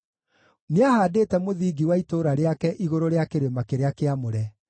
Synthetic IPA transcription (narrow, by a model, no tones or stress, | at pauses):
neahaːdeːtɛmoðiːɡiwaitoːɾaɾeakɛʔiɣoɾoɾeakeɾemakeɾeakeamoɾɛ